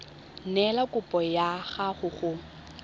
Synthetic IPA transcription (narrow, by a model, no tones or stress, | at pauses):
nɛlakʼʊpʼɔjaɣaχʊɣʊ